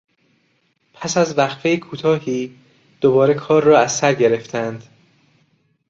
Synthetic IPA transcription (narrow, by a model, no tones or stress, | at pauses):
pʰæsæzvæxfejekʰuːt̪ʰɒːhiː | d̪̥obɒːɾe̞kʰɒːɾːɒːæzːæɾɟe̞ɾe̞ft̪ʰænd̪̥